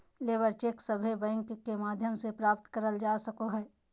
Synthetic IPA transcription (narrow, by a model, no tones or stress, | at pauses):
leːbəɾt͡ʃeːksɐbʱebɛ̃ŋkkːemaːd̪ʱjəmsepɾaːpt̪kəɾəld͡ʒaːsɐkoɦɛː